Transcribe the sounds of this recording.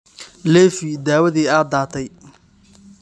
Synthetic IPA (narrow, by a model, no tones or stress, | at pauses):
lɛːfid̪aːwɐðiːaːd̪aːt̪ʰɛj